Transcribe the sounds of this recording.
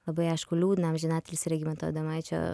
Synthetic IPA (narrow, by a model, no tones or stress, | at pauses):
lɐbɐjaʃkulʲuːd̪namʒinaːt̪ʲɪlʲsiɾɐɡʲimɐt̪o̰d̪ɐmɐjt͡ʃɐ̰